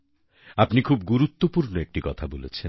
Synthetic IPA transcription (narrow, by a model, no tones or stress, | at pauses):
apnikʰubɡuɾut̪ːopuɾnoek̚ʈikɔt̪ʰabolet͡ɕʰe